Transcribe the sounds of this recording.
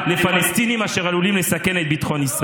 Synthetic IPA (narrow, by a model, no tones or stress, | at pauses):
lefalɛst̪inimaʃɛʁalulimlesakɛnɛt̪̚bit̪χɔ̃nis